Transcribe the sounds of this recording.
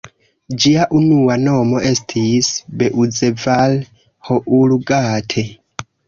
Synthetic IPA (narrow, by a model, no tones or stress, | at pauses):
d͡ʒiaʔunuwanɔmɔʔestʰisbɛʔud͡zɛval | hɔʔuluɡaːtʰɛ